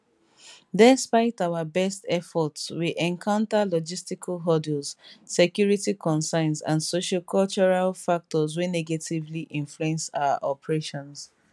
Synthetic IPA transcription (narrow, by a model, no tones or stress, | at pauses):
dɛspaɪtawabɛstɛfɔtswiʔɛ̃nkʰãʊ̃ntalɔd͡ʒistikʰalɦɔdɛlzsekjuɹitikʰɔ̃nsãɪ̃nsã̰nsoʃɔkʰɔlt͡ʃɔɹalfak̚tɔzwinɛɡetivliʔĩɱfluɛ̃nsa̰ʊa̰ʔɔpɹeʃɔ̃ns